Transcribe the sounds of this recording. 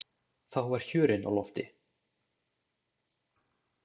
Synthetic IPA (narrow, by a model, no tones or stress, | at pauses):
θawvaɾ̥çʏːɾɪna̰wlɔft̪ɪ